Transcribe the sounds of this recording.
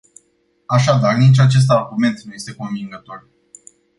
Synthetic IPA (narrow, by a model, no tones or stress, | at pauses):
aʃad̪arnit͡ʃat͡ʃe̞s̬t̪aɡume̞nt̪nuje̞st̪e̞ko̞ɱviŋɡət̪o̞r